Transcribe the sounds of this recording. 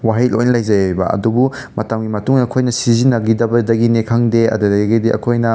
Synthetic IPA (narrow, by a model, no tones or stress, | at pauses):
waɦil̚ojnɐlɐjzɐjbɐ̰ɐ̰dubu | mɐtamɡimɐtuŋɐkʰojnɐsizinːɐɡidɐbɐdɐɡinekʰaŋdeɐ̰dɐdɐɡidiʔɐ̰kʰojnɐ